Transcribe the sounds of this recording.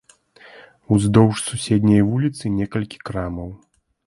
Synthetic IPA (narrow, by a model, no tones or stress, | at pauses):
uzd̪ɔwʂsusʲed̪ʲnʲɐjvulʲit̪sɨnʲɛkɐlʲkʲi̥kɾamɐw